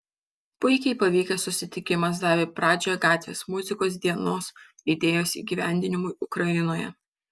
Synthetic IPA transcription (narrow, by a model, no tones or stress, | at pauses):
pʊɪkʲɛɪpɐʋʲiːkʲesʊsʲɪt̪ʲɪkʲɪmɐs̬d̪ɑːʋʲeːpɾɑːd͡ʒʲoːjɛɡɑːt̪ʲʋʲḛːsmʊzʲɪkoːsd̪ʲiɛnoːs | ɪd̪ʲeːjoːsḭːɡʲiːʋʲæˑnʲd̪ʲɪnʲɪmʊɪʔʊkɾɐɪnoːjɛ̰